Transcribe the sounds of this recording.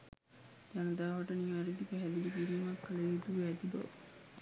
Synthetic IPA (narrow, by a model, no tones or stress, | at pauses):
d͡ʒanəd̪aːʋaʈəniʋaɾid̪ipæɦæd̪ilibiɾiːmakːəlɐid̪uʋæːd̪ibɐ̰ʋə